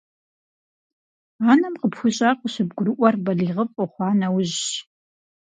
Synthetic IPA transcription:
aːnɐmqəpxʷʊɕʼaqʷəɕɪbɡʷʊɾɨʔʷɔrbɐɮiːʁəpʼɔχʷɑːnɐwʊʑ

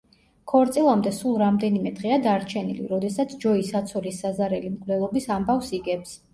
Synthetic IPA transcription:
kʰɔɾt̪sʼilˠamd̪ɛsulˠɾamd̪ɛnimɛd̪ʁɛad̪aɾt͡ʃʰɛnḭlḭɾɔd̪ɛsat̪sʰd͡ʒɔisat̪sʰɔlisːazaɾɛlimkʼʰvlɛlˠɔbisambafsiɡɛps

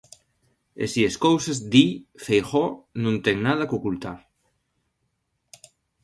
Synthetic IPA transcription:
ḛsieskowsezd̪ifejxɔnũnt̪ɛŋnað̞ɐkokult̪aɾ

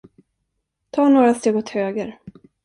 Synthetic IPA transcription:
t̪ʰɑːɳoːɾast̪eːɡɔt̪høːɡəɾ

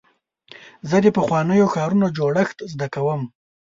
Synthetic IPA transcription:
zəd̪əpəxwɑnəjoxɑɾunod͡ʒoɽəxt̪zd̪akawəm

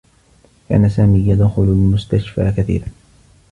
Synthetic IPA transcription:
ka̰ːnasaːmiːjad̪xʊlʊlmʊst̪aʃfa̰ːkaθḭːɾan

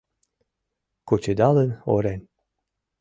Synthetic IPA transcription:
kot͡ɕed̪ɑlə̆no̰ɾenʲ

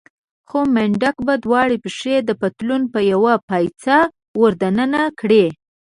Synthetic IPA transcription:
xomɪɳɖakbad̪wɑɽipəʂed̪əpat̪lunpəjawapajt͡sa | wəɾd̪anənakɽe

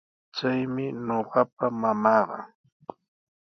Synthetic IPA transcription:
t͡ʃajmɪɲoɢɑpamamɑːɢɑ̰

